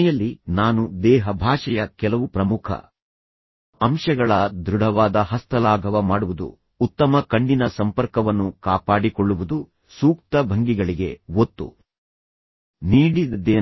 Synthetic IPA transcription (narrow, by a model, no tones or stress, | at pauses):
jɐlːinaːnud̪ɛːɦɐbʱaːʂɛjɐkɛlɐʋupɾɐmukʰɐ̰ | ɐmʂɐɡɐɭɐd̪ɾuɽɐʋaːd̪ɐɦɐst̪ʰɐlaːɡʱɐʋɐmaːɽuʋud̪ṵː | t̪ːɐmɐkɐɳɖinɐsɐmpɐɾkɐʋɐnːukaːpaːɽikoɭːuʋud̪u | suːk̚t̪ɐbʱɐŋɡiɡɐɭiɡe̞wot̪ːṵ | niːɽid̪ɐd̪eː